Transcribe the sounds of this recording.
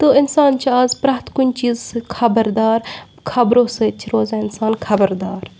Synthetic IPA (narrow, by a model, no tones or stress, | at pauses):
t̪oːɪnsaːnt͡ʃʰiaːzpɾɐːɦt̪kʊnʲt͡ʃiːzsɨkʰɐbəɾd̪aːɾ | kʰɐbɾoːseːt̪̚t͡ʃʰiɾoːzaːɪnsaːnkʰɐbəɾd̪aːɾ